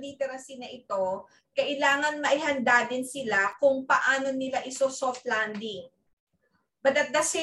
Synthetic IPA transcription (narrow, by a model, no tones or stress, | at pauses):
liːt̪ɛɾɐsinɐʔɪt̪o̞ | kɐʔɪlaːŋɐnmɐʔɪhɐnd̪ad̪ɪnsɪlakʊŋpɐʔaːno̞nɪlaʔɪsosoft̪̚land̪ɪŋ | mɐd̪ɐt̪̚d̪ɐsɪ